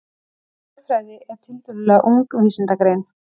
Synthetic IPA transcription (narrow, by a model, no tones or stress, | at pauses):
ɛ | fɾaːjðɪʔɛɾ̥t̪ʰɪlt̪ʏɾɪlɛaʔuŋkviːsɪnt̪akɾejn